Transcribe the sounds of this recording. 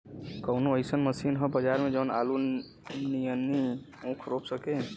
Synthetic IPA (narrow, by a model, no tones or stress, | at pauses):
kəʊnoəɪsənməsinɦəbəd͡ʒaɾmẽd͡ʒəna̰lu | nijənːi | ũkʰɾopsəke